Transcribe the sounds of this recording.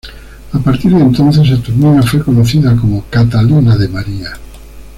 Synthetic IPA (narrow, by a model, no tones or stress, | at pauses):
apaɾt̪iɾðẽnt̪õn̟θesat̪uɾminafwojkonoθiðakomokat̪alinaðemaɾia